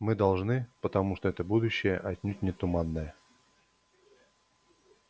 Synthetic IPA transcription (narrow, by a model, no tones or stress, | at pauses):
mɨd̪ɐlˠʐnɨpət̪ɐmuʂt̪oɛt̪əbud̪ʊɕːɪjəʔɐt̪ʲnʲut̚ʲnʲɪt̪ʊmanːəjə